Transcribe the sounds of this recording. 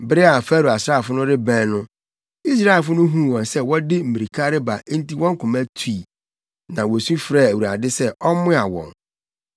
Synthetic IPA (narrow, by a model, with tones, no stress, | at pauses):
bɪ˦ɾɪ˦a˨fæ˦ɾu˨a˨sɾaː˦˨fʊ˦nʊ̃˦ɾɪ˦bæ̃˦nʊ̃˦ | i˦s̬ɾa˦e˨lfʊ˦nʊ̃˦ɦũ˦˨wɔ̃˨nsɛ˦wɔ˦dɪ˦m̩˨mĩ˨ɾi˨kʰa˦ɾɪ˦ba˨˦n̩˦ti˦wɔ̃˦ŋ̩˦kʰʊ̃˨mæ˦tʰu˨˦i˨ | nã˨wɔ˨sũ˦fɾa˦˨æ˨wu˨ɾa˨dɪ˦sɛ˦ʔɔ˦mʊ̃˦a˨wɔ̰̃˨n